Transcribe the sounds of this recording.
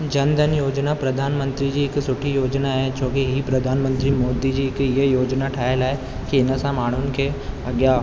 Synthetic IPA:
d͡ʑɐ̃nd̪ʱənɪjoːd͡ʑnapɾɐd̪ʱaːnmə̃nt̪ɾid͡ʑiːɪksʊʈʰijoːd͡ʑnaɦet͡ɕʰoːkiɦipɾɐd̪ʱaːnmə̃nt̪ɾimoːd̪id͡ʑiːɪkɪɦəjoːd͡ʑnaʈʰaːəlaːɦe | kiɪnə̆sãmaːɳ̤̃ʊnɪ̆kʰeːɐɠja

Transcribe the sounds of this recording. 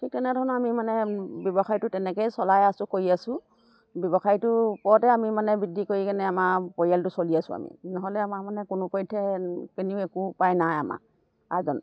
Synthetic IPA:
tʰik̚tɛnɛdʱɔɹnɔamimanɛbjɔbɔxajtʊtɛnɛkɛjsɔlajasʊkoɹiasʊ̃ | bɔbɔxajtʊpɔtɛamimanɛbidʱikoɹikanɛamapɔɹialtʊsoliasʊ̰̃a̰mḭnɔɦɔlɛamamanɛkʊnʊpɔjtʰːɛkiniʊɛkupajnajama̰ | azɔn

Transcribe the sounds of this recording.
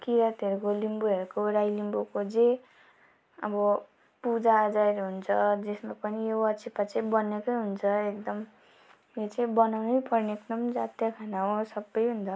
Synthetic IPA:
kiɾat̪ʌɾukolimbuɦeɾukoɾajlimbokod͡ze | ʌ̰bʌ | pud͡zaːd͡zaeɾɦunt͡sʰʌd͡zesmapʌnijowʌt͡sʰipat͡saĩbʌnekʌjɦunt͡sʰʌekd̪ʌm | jot͡sãĩbʌnawnʌjpʌrneknʌmd͡zat̪jakʰanaɦõsʌbːʌjɦund̪a

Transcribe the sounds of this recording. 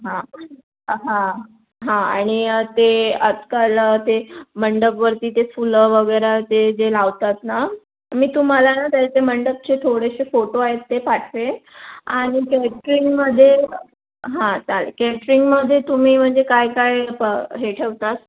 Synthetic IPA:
ɦã | ɦã | ɦãaɽ̃it̪eəd͡zkalət̪eməɳɖəkʋəɾt̪iːt̪efuləʋəɡəjɾat̪ed͡zelaʋt̪at̪na | miːt̪um̤alanat̪at̪eməɳɖək̚t͡ɕet̪ʰoɽeɕefoʈoaɦet̪ːepaʈʰʋeaɽ̃ikeʈɾiŋɡməd̪ʱːje | ɦãt͡salkeʈɾiŋɡməd̪ʱːjet̪um̤iːm̤əɳd͡zekajkajpəɦeʈʰəʋt̪at̪

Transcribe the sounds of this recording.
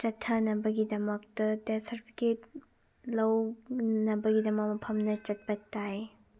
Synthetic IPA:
t͡ʃɐtʰːɐnɐbɐɡidɐmɐk̚tɐdesɐɾpʰi̥ket̚ | lɐwnɐbɐɡidɐmɐk̚mɐpʰɐmnɐt͡ʃɐt̚bɐtːaj

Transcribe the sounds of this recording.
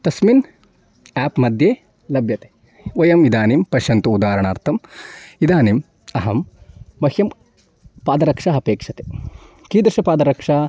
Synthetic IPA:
t̪ɐsmin | aːpmɐd̪ʱjeː | lɐbjɐt̪e̥ | ʋɐjɐmid̪aːnimpɐʃɐnt̪uud̪aːɾɐɳaːɾt̪ʰɐmid̪aːnim | ɐɦɐmːɐhjɐm | paːd̪ɐɾɐkʂaɐpeːkʂɐt̪e̥ | kiːd̪ɾɐʃɐpaːd̪ɐɾɐkʂaː

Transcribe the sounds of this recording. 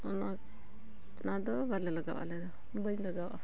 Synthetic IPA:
ɔnak̚ | nad̪ɔbalɛlaɡa̰wʔa̰lɛd̪ɔ | bəɲlaɡawʔa̰

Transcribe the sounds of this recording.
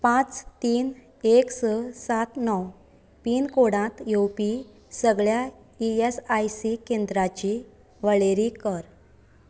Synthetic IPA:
pãt͡st̪iːn | eksəsat̪nɔw | piːnkoɽãt̪jowpi | səɡɭja | iesajsikend̪ɾat͡ɕi | ʋəɭeɾikəɾ

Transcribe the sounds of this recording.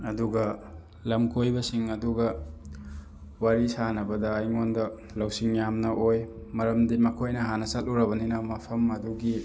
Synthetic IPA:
ɐduɡɐ | lɐmkʰojbɐsiŋɐduɡɐ | waɾisanɐbɐdɐːjŋondɐ | lɐwsiŋjamnɐʔoj | mɐɾɐmdimɐkʰojnɐɦanɐsɐt̚uɾɐβɐninɐmɐpʰɐmɐduɡi

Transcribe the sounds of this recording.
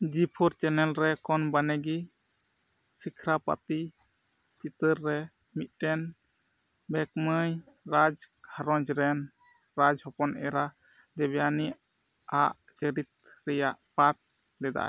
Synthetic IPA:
d͡ʒipʰɔɾt͡ʃɛnɛlɾɛkɔnbanɛɡi | sikʰɾapa̰t̪i | t͡ʃit̪əɾːɛ | mit̪̚ˀtɛn | bɛk̚məj | ɾad͡ʒkʰaɾɔ̃d͡ʒɾɛn | ɾad͡ʒhɔpɔnɛɾa | d̪ɛbɛjani | aʔ | d͡ʒəɾit̪̚ɾɛjaʔpaɾʈ̚ | lɛd̪a̰ʔ

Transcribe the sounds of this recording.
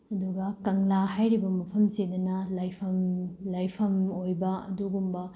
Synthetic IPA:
ɐduɡɐkɐŋlahajɾibɐmɐpʰɐmsedɐnɐlajpʰɐmlajpʰɐmojbɐɐ̰duɡumbɐ

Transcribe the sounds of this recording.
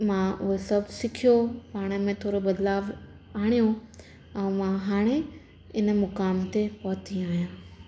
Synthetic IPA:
mãʔʊɦesɐbʱsɪkʰijopaːɽ̃ə̆mẽt̪ʰoːɾobɐd̪laːʋ | aːɽ̃ijõ | ɛ̃ːmãɦaːɽ̃e | ɪnə̆mʊkaːmt̪epɔːt̪ʰiaːijãː

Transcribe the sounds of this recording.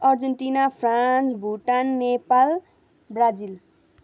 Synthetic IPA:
ʌrd͡zʌɳʈinapʰrant͡sbʱuʈanːepal | brad͡zil

